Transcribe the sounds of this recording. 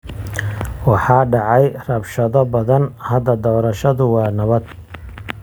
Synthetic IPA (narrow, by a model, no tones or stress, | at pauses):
wɑħɑːɖɑʕɑjrɐbʃɐðɔbɐðɐnhɐd̪ɐd̪ɔːɾɐʃɐðʊwɑːnɐβɐd̪̚